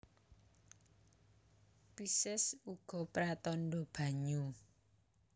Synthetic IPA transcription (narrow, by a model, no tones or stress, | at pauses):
pisɪsuɡ̥ɔ̤pɾat̪ɔnɖɔb̥a̤ɲu